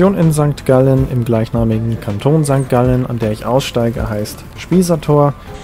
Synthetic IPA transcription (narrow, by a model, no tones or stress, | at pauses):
joːnɪnzaŋk̚tɡ̥alənɪmɡlaɪçnaːmɪɡŋ̩kʰantʰoːnzaŋk̚t̚ɡ̥aləna̰ndeːɐɪçʔa̰ʊsʃtaɪɡə̰ɦaɪst | ʃpiːzɐtʰoːɐ